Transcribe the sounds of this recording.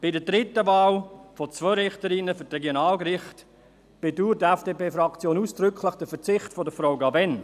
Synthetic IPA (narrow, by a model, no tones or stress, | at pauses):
b̥ɪdədɾɪtəvɑːlfot͡svœɾɪχtəɾinəfʏtrɛɡjonɑːlkrɪχt | b̥eduːɾtɛfd̥eːpeːfrɑkt͡sjoːnuːsd̥ɾʏkʰləχd̥əfət͡sɪχtfodəfrɔʊɡɑvɛn